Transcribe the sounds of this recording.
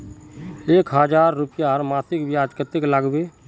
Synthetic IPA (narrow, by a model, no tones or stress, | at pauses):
eːkʰɦəd͡ʒaːɾːupjaɾmaːsɪkbjaːd͡ʒkət̪eklaɡbeː